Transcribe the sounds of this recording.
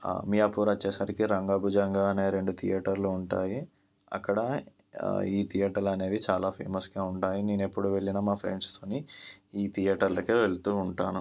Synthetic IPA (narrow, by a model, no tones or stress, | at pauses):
mijaːpuːɾɐt͡ʃːeːsaːɾikiɾɐŋɡaːbud͡ʒɐŋɡaːɐneːɾe̞ɳɖut̪ʰijaːʈɐɾluːɳʈaːji | ɐ̰kːɐɽɐ | iːt̪ʰijaːʈɐɾlɐne̞ːd̪it͡ʃaːlaːpʰḛːmɐsɡaːuɳʈaːjine̞ːnue̞pːuɽuʋe̞ɭːinamaːpʰɾḛɳɖst̪o̞ːniiːt̪ʰijaːʈɐɾlɐkeʋe̞ɭut̪uːuɳʈaːnu